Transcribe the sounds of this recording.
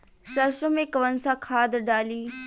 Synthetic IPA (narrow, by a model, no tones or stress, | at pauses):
ʃɐɾʃõmẽkɐʋənsakʰaːd̪ɖaːliː